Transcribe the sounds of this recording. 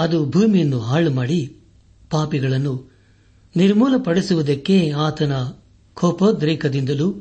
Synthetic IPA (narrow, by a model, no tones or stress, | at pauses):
ɐd̪ubʱuːmijɐnːuɦaːɭumaːɽi | paːpiɡɐɭɐnːu | niɾmuːlɐpɐɽisuʋud̪ɐkːe̞aːt̪ɐnɐ | kʰɔːpod̪ɾiːkʰɐd̪ind̪ɐlu